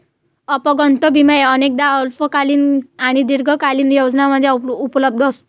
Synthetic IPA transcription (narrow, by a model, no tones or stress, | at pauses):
əpɔɡənt̪əbʱiməeənek̚d̪aəlfəkaliːnaɽ̃id̪iɾɡʱəkaliːnjowd͡znaməd̪ʱːjaupləb̚d̪ʱɔso